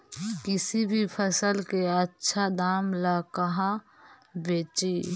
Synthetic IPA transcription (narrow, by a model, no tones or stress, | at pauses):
kɪsibʱipʰəsəlkeətːʃʰad̪aːmlakəɦã | beːt͡ʃi